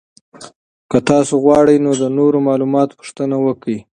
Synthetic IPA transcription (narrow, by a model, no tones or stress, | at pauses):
kət̪ɑsoɣwɑɽəjnod̪ənoɾomɑlumɑt̪pʊ̥ʂt̪ənawəki